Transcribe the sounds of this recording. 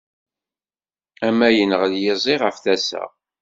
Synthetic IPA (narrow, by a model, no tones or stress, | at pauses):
æmːæjənəʁəðjɪzˤiʁəfθæsæ̰